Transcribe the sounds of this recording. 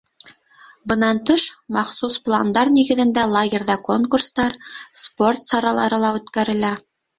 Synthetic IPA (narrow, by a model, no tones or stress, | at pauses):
bɤ̆nɑnt̪ɤʃmɑχsusplˠa̰nd̪ɑɾniɡɘ̆ðɘ̆nd̪ælˠaɡʲerʲðɑko̞ŋkurst̪ɑɾspo̞rt̪sɑɾɑlˠɑɾɤlˠɑʉt̪kæɾɘ̆læ